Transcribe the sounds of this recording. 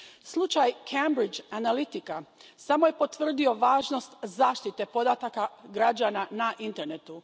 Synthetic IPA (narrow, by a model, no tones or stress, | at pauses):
slˠut͡ʃajkʰembɾid͡ʒanalit̪ikasamo̞je̞po̞t̪ʋr̩d̪io̞ʋaːʒno̞st̪zaːʃt̪it̪e̞po̞d̪at̪akaɡɾad͡ʒananaʔint̪e̞ɾne̞t̪u